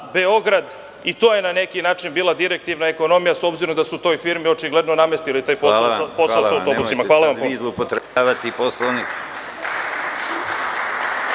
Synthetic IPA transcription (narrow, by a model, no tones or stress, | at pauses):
be̞o̞ɡɾad̪ | it̪oːjenane̞kinaːt͡ʃinbiːlˠad̪iɾek̚t̪iʋnae̞ko̞no̞mijaso̞bziɾo̞md̪asut̪o̞jfiɾmio̞t͡ʃiɡle̞d̪no̞name̞st̪ilit̪aːjpospo̞saosawt̪obusimaʋaːlˠaamioupot̪ɾaʋat̪iposlonik